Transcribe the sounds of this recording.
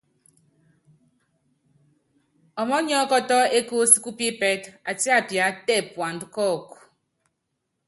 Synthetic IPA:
ɔ˨mɔ˦ɲɔ˦kɔ˦tɔ˦e˦ko˦si̥˦ku˦pi˦pɛ˦ta˨ti˦a˦˨pja˨˦tɛ˦˨pwa˨n˨dkɔ˦˨k

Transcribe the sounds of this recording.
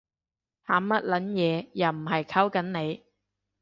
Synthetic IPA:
haː˨˧˥mɐ˥t̚lɐ˨˥njɛː˨˧jɐ˨˩m̩˨˩ɦɐ˨jkʰa˥wkɐ˨˥nne˨˧j

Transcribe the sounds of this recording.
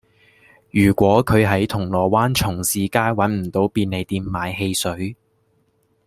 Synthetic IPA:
jyː˨˩kʷɔː˨˥kʰɵ˨˧ɥɦɐ˨˥jt̪ʰʊ˨˩ŋlɔː˨˩waː˥nt͡ʃʰʊ˨˩ŋsiː˨˧kaː˥jwɐ˨˥nm̩˨˩t̪o˨˥wpiː˧nne˨˧jt̪iː˧mːaː˨˧jɦe˧jsɵ˨˥ɥ

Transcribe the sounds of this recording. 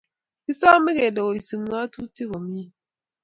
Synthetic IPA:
ki˦sa˦mi˦ɣe˨lo˨o˨si˨m˨ŋa˦tu˦ti˦ɣo˨mi˦˨

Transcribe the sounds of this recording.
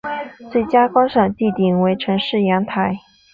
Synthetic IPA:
t͡swe˥˩ɪt͡ɕja˥kwɑ˥ŋʂɑ˨˩ŋt̪i˥˩t̪i˨˩ŋwe˧˥ɪʈ͡ʂʰɤ˧˥ŋʂɻ̩˥˩jɑ˧˥ŋt̪ʰa˨˧˩ɪ

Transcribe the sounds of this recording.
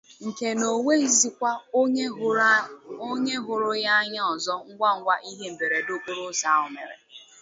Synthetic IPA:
ŋ̩˨ke˨no˨we˦i˦zi˦kʷa˦ | o˦ɲe˦ɦʊ˨ɾʊ˦ja˦ɲa˦ɔ˨zɔ˦ŋ̩˦ɡʷa˦ŋ̩˦ɡʷa˦ʔi˦ɦe˦m̩˨be˨ɾe˨dʊ˦kʊ˦ɾʊ˦sa˨˦˨ʊ˨mḛ˨ɾḛ˨

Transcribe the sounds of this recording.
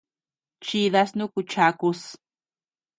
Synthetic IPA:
t͡ʃi˦ða˧snu˦ku˧t͡ʃa˧ku˧s

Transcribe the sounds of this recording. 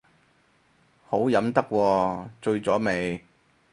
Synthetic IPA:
ho˨˥wjɐ˨˧˥mt̪ɐ˥kʷːɔː˧t͡ʃɵ˧ɥt͡sɔː˨˥me˨˩j

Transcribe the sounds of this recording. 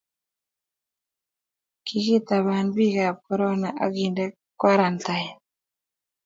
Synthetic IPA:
kiɣi˦ta˨βa˨nβi˦ɣa˨p̚kɔɾɔ˦na˨ʔa̰˦ɣinde˦ | kwa˦ɾa˨nta˨ja˨

